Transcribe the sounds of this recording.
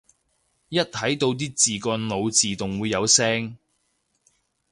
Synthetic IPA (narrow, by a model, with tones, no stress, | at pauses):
jɐ˥t̚t̪ʰɐ˨˥jt̪o˧wt̪̬iː˥t͡siː˨˩kɔː˧nlo˨˧wt͡siː˨t̪ʊ˨ŋwuː˨˧jːɐ˨˧wsɛː˥ŋ